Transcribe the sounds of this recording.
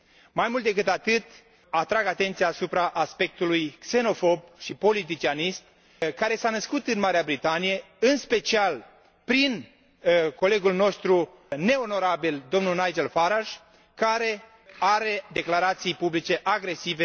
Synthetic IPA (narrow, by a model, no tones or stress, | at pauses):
majmult̪d̪e̞k̬ɨt̪at̪ɨt̪ | at̪ɾaɡat̪e̞nt̪sijaːsupɾaʔaspe̞k̚t̪ulujkse̞no̞fo̞b̚ʃipo̞lit̪̬it͡ʃianist̪ | kaɾe̞sanəskut̪ɨnmaɾeabɾit̪anije̞ | ɨnspe̞t͡ʃial | pɾin | ko̞le̞ɡulno̞st̪ɾu | ne̞o̞no̞ɾabild̪o̞mnunajd͡ʒelfaɾaʒ | kaɾe̞ | aɾe̞d̪e̞klaɾat̪sijpublit͡ʃe̞ʔaɡɾe̞sive